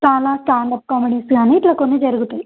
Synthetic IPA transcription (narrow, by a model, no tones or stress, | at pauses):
t͡ʃaːlaːsʈaːɳɖɐp̚kaːmiɖisɡaːniːʈlɐkonːid͡ʒɐɾuɡut̪ui